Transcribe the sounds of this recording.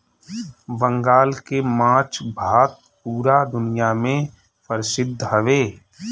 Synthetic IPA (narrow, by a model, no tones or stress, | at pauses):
bə̃ŋɡaːlkemãːt͡ʃʰbʱaːt̪̚ | puːɾad̪ʊnijamẽ | pəɾsɪd̪ʱːɦəʋeː